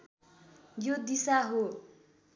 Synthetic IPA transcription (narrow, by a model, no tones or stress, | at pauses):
jod̪isaɦo